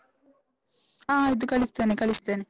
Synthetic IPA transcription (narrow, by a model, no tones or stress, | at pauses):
aːed̪ukɐɭist̪ɐnekɐɭist̪ɐne